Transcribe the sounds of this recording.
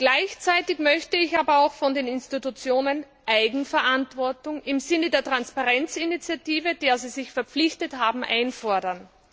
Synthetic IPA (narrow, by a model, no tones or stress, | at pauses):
ɡ̥laɪçt͡saɪtɪçmœçtəɪçaːbɐaʊxfɔndeːnɪnstitut͡sjoːnən | ʔaɪɡŋ̩fɛɐʔantv̥ɔɐtʊŋɪmzɪnədeːɐtʁ̥anspaʁɛnt͡sɪnit͡sjatiːvəd̥eːɐziːzɪçfɛɐpp͡flɪçtəthaːbm̩ʔaɪnfɔɐdɐn